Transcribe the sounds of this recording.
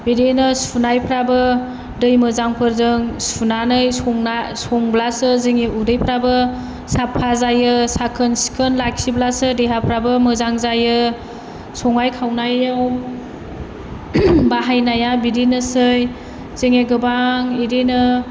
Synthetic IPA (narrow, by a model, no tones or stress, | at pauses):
biɾenɯsunajpʰɾabɯ | dɯjmɯzaŋpʰɯɾzɯŋsunanɯjsɔŋnasɔŋblasɯzeŋeʔudɯjpʰɾabɯ | sapʰːazajɯsakʰɯnsi̥kʰɯnlaksiblasɯdeɦapʰɾabɯmɯzaŋzajɯ | sɔŋajkʰawnajaw | baɦajnajabidenɯsɯj | z̥eŋeɡɯbaŋiɾenɯ